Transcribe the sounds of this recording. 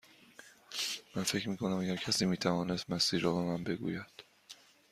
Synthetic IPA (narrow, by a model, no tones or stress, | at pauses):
mænfe̞cʰmiːkʰo̞næmæɡæɾcʰæsiːmiːt̪ʰævɒːne̞st̪mæsiːɾːɒːbe̞mænbe̞ɡṵːjæd̪̥